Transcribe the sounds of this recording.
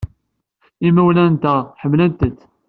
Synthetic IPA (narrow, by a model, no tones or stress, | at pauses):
imæwlænt̪æħəmːlənt̪ət̪ː